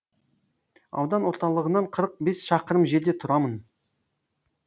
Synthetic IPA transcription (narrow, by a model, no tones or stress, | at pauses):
ɑ̰wd̪ɑnwo̞ɾt̪ɑlˠəʁənɑɴqʰəɾəq̚be̞sʃɑqəɾəmʒe̞ɾd̪e̞t̪ʰʊɾɑmən